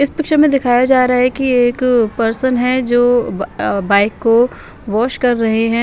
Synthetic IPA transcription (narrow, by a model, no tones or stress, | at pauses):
ɪspɪkʃəmẽd̪ɪkʰaːjad͡ʒaːɾaaɦɛkieːkpɐɾsənɦɛd͡ʒoː | baːɪkːo | ʋɔːʃkɐɾːɐɦeɦɛ̃ː